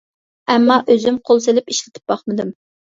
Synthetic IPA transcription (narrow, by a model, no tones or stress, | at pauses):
ɛmːɑʔøzymqʰolˠs̬ɪlɪpiʃlɪt̪ʰɪ̥p̚bɑχmɨd̪ɨm